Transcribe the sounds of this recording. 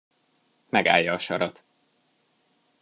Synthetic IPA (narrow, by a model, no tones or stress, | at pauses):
mɛɡa̰ːjːɒːʃɒɾɒt̪